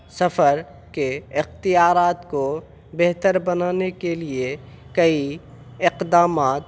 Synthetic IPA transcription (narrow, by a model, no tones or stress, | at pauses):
sɐfəɾ | keɪxt̪ɪjaːɾaːt̪ko | bɛɦt̪əɾbɐnaːnekelie | kɐi | ɪqd̪aːmaːt̪